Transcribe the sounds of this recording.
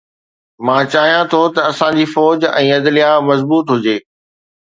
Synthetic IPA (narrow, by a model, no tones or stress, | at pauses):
mãːt͡ɕaːɦijãt̪ʰot̪ɐɐsãd͡ʑiːfɔːd͡ʑɛ̃ːɐd̪lijamɐzbuːt̪ɦʊd͡ʑeː